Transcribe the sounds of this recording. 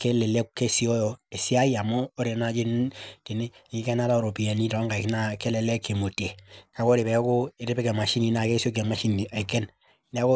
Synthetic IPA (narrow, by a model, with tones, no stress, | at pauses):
ke˦lɛ˨le˦kke˦si˦ɔ˦jɔ˨e˨si˦a˦i˦a˨mɔː˦ɾe˨na˦d͡ʒi˦nti˨ni˦˨ŋi˦kɛ˦na˦ta˦o˨ɾo˨pi˨a˨ni˦tɔ˨˦ŋɡa˨kna˦ke˦lɛ˨lɛ˦ke˨mo˨te˨ka˨ko˦ɾe˨pɛ˨˦ko˦e˨ɾe˦pe˦ke˨ma˨ʃi˦ni˨na˨ke˦si˦o˦k̬e˨ma˦ʃi˦ni˨a˨kɛ˦n | nɛ˦ko˦